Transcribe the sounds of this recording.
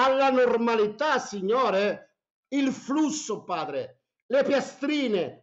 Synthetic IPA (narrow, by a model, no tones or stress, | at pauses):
alːanɔrmalit̪asiɲːɔːɾɛ | ilflusːʊpaːd̪ɾɪ | lɛpjast̪ɾiːnɪ